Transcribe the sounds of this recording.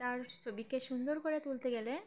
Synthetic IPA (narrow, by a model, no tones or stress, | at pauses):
aɾsobikeʃund̪oɾkɔɾet̪ult̪eɡele